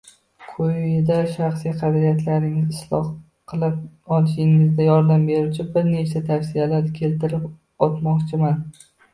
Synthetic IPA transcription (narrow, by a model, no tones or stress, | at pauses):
kʰʊjɪd̪aʃɑχsijqʰɑbɪlijat̪ʰlaɾnɪŋɪzɪslˠɒ̰h | qʰɨlˠɪp̚ɒlˠɪʃɪŋɪzd̪ajɒɾd̪ambe̞ɾut͡ʃʰɪbɪɾne̞t͡ʃʰat̪ʰafsijalaɾkʲʰe̞lt̪ɪɾɪp | ɒt̪mɒqt͡ʃʰɪman